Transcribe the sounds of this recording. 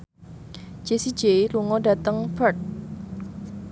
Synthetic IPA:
d͡ʒ̥esid͡ʒeluŋɔdä̤t̪əŋpərt̪̚

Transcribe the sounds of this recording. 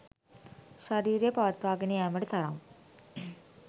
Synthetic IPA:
ʃɐɾiːɾjepɐʋɐt̪ʋaːɡeniɛːmɐɽt̪ʰɐɾam

